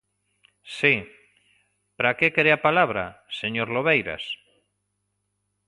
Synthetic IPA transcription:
si | pɾakekeɾeapalaβɾa̰seɲoɾloβejɾa̰s

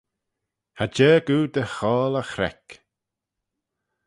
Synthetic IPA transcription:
had͡ʒɛːɡuːd̪əxɔːləxɾɛ̰k

